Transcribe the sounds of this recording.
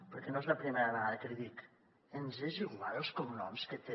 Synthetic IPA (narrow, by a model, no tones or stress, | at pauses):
pəɾkɛnoezləpɾimeɾəβəɣaðəkəliðik | enzeʒiɣwaɾelˠskomnɔ̰mskət̪e